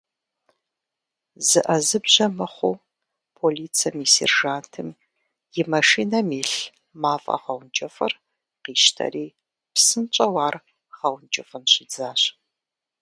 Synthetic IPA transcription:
zɨʔɐzɨbʑɐmɐχʷuː | pʰoliːt͡sʰɐmiːsḛrʒaːntʰɨm | jɪmɐʂiːnɐmiːɬ | maːfʼɐ̰ʁɐwnd͡ʒʼɐfɐ̰r | qiːʃtʰɐ̰ɾiː | psɨnt͡ʃʼɐwaːr | ʁɐwnd͡ʒʼɐfɨnɕɪd͡zaːɕ

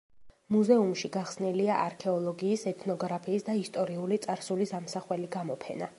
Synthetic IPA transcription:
muzɛumʃiɡaχsniliaʔaɾkʰɛɔlˠɔɡiːsɛt̪ʰnɔɡɾapʰiːsd̪aist̪ʼɔɾiulit̪sʼaɾsulisamsaχwɛliɡamɔpʰɛ̰na

